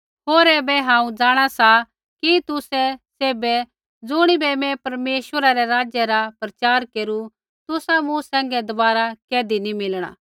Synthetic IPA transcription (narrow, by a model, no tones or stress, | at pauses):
ɦoːɾɛːbɛɦãːũd͡zaːɽ̃asa | kit̪ʊsɛseːbɛ | d͡zʊɽ̃ibɛmɛ̃pɐɾmeːʃwəɾaɾɛɾaːd͡ʒjɛɾapɾɐt͡ʃaːɾkeːɾu | t̪ʊsamũsɛ̃ːŋ̆ɡɛd̪ɐbaːɾakɛːd̪inimɪlɽ̃a̰ː